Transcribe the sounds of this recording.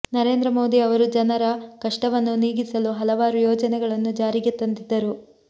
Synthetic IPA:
nɐɾe̞ːnd̪ɾɐmo̞ːd̪iɐʋɐɾud͡ʒɐnɐɾɐkɐʂʈɐʋɐnːuniːɡisɐluɦɐlɐʋaːɾujɔːd͡ʒɐnɛɡɐɭɐnːud͡ʒaːɾiɡet̪ːɐnd̪id̪ːɐɾu

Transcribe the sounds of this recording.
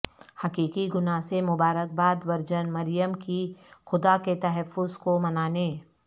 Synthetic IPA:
hɐkiːkiɡʊnasemʊbaːɾək̚baːd̪ʋɐɾd͡ʒənmɐɾjəmkixʊd̪aket̪ɐɦɛfːʊzkomɐnaːneː

